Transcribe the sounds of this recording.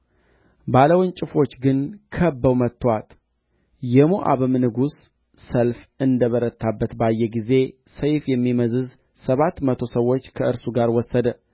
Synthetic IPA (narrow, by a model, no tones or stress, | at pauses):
baləwnt͡ʃʼɪfo̞t͡ʃːɡɨnkʰəbːəwmət̪ːwat̪ | jɛmoʔa̰βɨmnɨɡusː | əlfɨnd̪əβəɾət̪ʰːabːət̪bajːɛɡize̞ | səjfjɛmːiməzɨz | səβat̪ːmət̪ʰo̞səwo̞t͡ʃːkʰəʔɨɾsuɡaɾwɔsːəd̪ə